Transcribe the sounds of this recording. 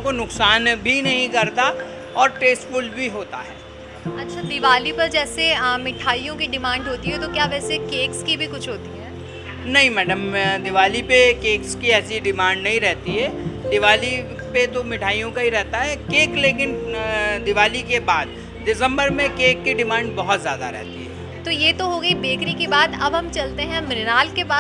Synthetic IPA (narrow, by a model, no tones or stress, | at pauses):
konʊksaːnbʱinɐɦĩkɐɾt̪a | ɔːɾʈeːsfʊlbʱiɦoːt̪a̰ɦɛː | ɐtːʃʰad̪ɪʋaːlipɐɾd͡ʒɛːsemɪʈʰaːijõkiɖɪmãːɳɖɦoːt̪iɦɛt̪okjaːʋɛːsekeːkskibʱikʊt͡ʃʰɦoːt̪iɦɛː | nɐɦĩmɛːɖəmd̪ɪʋaːlipekeːkskiɛːsiɖɪmãːɳɖnɐɦĩɾɛɦt̪iɦɛːd̪ɪʋaːli | pet̪omɪʈʰaːijõkaɦiɾɛɦt̪aɦɛkeːkleːkɪnd̪ɪʋaːlikebaːd̪ː | ɪsə̃mbəɾmẽkeːkːiɖɪmãːɳɖbɐɦʊt̪zjaːd̪a̰ɾɛ̰ɦt̪iɦɛː | t̪ojeːt̪oɦoːɡɐibeːkɾikibaːt̪ɐbɦɐmt͡ʃɐlt̪eɦɛ̃mɪɾɪnaːlkebaː